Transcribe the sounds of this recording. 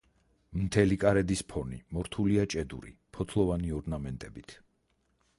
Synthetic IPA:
mt̪ʰɛlikʼaɾɛd̪ispʰɔnḭmɔɾt̪ʰuliat͡ʃʼɛd̪ṵɾḭpʰɔt̪ʰlˠɔvaniɔɾnamɛnt̪ʼɛbit̪ʰ

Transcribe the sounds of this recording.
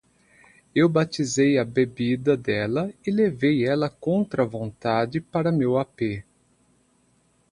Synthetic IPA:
ewbat͡ʃizejɐbebid̪ɐd̪ɛlɐɪlevejɛlɐkõnt̪ɾɐvõnt̪ad͡ʒɪpaɾɐmewape

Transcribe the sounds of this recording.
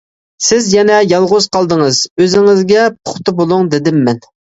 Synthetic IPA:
sɪzjɛnɛjɑlˠʁʊz̥qʰɑlˠd̪əŋəz̥øzɪŋɪzɡʲɛpʰʊ̥χt̪ʰʊbolˠuŋd̪ɪd̪ɪmːɛn

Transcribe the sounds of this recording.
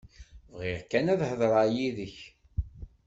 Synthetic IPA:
vʁɪʁkænæðhəðɾˤɑjiðəç

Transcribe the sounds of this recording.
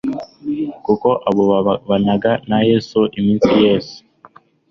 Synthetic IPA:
kukoʔaβoβanaɡanajesuʔiminsijeːsu̥

